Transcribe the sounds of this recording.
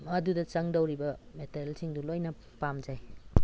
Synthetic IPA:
mɐdudɐt͡ʃɐŋdɐwɾibɐmeteɾelsiŋdulojnɐ | pamd͡ʒaj

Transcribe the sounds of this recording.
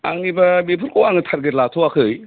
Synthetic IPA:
aŋibɐmepʰuɾkʰoaŋɯtʰaɾɡɯɾlatʰɔwakʰɯj

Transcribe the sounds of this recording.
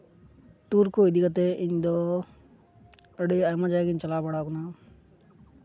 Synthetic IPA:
ʈuːɾkuid̪ikɐt̪̬eʔind̪o | ɐɽiɐjmɐd͡ʒaːɡint͡ʃɐlaːbɐɽaːkunaː

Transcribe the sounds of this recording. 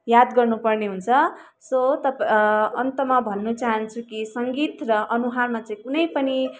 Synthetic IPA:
jad̪ɡʌrnupʌrneɦunt͡sʰʌ | sot̪ʌpʌnt̪ʌmabʱʌnːut͡saɦʌnt͡sʰukisʌŋɡit̪rʌʔʌnuɦarmat͡saĩkunʌjpʌni

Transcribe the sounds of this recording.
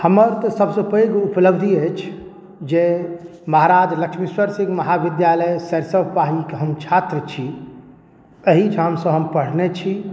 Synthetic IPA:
həməɾt̪ɔsəbsə̃pəɡupləbd̪ʱiət͡ʃʰ | d͡ʒe | məɦaɾad͡ʒləkʃmiswəɾsĩɡməɦabid̪jaləjsəɾsəbʱpaɦikeɦəmt͡ʃʰat̪ɾət͡ʃʰi | əɦid͡ʒʱamsə̃ɦəmpəɽ̤net͡ʃʰi

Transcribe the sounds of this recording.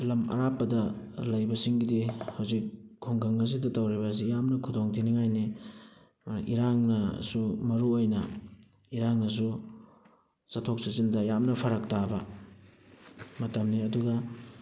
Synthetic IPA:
lɐmɐ̰ɾapːɐdɐlɐjbɐsiŋɡidihɐwzikʰːuŋkɐŋːɐs̬idɐtɐwɾibɐs̬ijamnɐkʰudoŋtʰiniŋajni | ʔḭɾaŋnɐsumɐɾuojnɐ̰ | iɾaŋnɐs̬u | sɐtʰok̚sɐsindɐjamnɐpʰɐɾɐk̚tabɐ | mɐtɐmniɐduɡɐ

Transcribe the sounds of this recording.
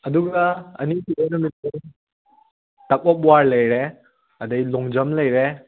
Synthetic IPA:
ɐduɡɐɐ̰nikiejnɐmit̚e | tɐk̚bɔp̚waɾlɐjɾe | ɐdɐjlɔŋd͡ʒɐmlɐjɾe

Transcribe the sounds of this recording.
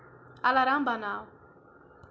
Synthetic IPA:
alaɾambana

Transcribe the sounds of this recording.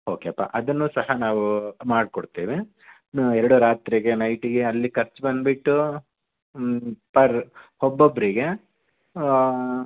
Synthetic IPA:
oːkeɐpːa̰ʔɐd̪ɐnːuːsɐhɐnaːʋumaːɖkɔɽt̪iːʋi | nɛɾɐɽuɾaːt̪ɾiɡe̞nɐjʈiɡe̞ɐlːikʰɐɾt͡ʃbɐnd̪biʈːu | pɐɾhɔbːobːɐɾiɡe̞

